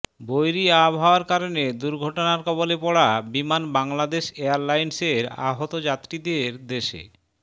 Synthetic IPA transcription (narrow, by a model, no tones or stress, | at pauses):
bojɾiabʱaoaɾkaɾoned̪uɾɡʱɔʈonaɾkɔbolepɔɽabimanbaŋlad̪eʃeaɾlajnseɾa̰ɦot̪od͡ʑat̪ːɾid̪eɾd̪eʃḛ